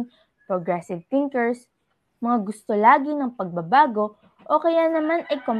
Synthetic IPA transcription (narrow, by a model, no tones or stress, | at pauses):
ŋ | pɹoɡɾɛsɪvθɪŋkɛɹs | mɐŋaɡʊst̪olaːɡɪnɐŋpɐɡ̚bɐbaːɡo̞ | ʔokɐjanɐmanɐjkom